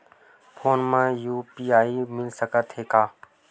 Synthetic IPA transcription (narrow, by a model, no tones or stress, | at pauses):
fʰoːnmãːjuːpiːaːiːmɪlsəkət̪ɦeːkaː